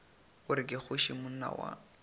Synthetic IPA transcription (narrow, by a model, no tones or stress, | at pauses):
ʊɾɪkʼɪk͡xʊʃimʊn̩na̰wa̰